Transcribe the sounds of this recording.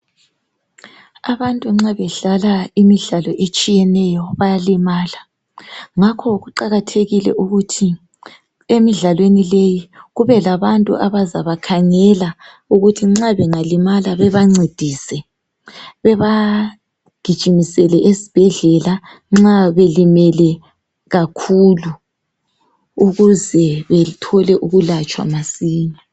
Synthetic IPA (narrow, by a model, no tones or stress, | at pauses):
aβantʼuŋ͡ǁaβɛɮalaimiɮalɔʔet͡ʃʼijɛnɛjɔβajalimaːla | ŋakʰɔɣuǃaɣatʰeɣilɛ̰ʔuɣutʰi | emiɮalwenilejiɣuβɛlaβantʼṵʔaβazaβakʰaŋɛla | uɣutʰiŋ͡ǁaβɛŋalimalaβɛβaŋ͡ǀed̥ʱiːsɛ | βɛβa | ɡ̥ʱid̥ʒ̥ʱimisɛlɛʔesi̥b̥ʱɛɮɛla | ŋ͡ǁaβelimɛlɛ | ɣakʰulu | uɣuzɛβɛtʰɔlɛʔuɣulat͡ʃʼwa̰masiːɲa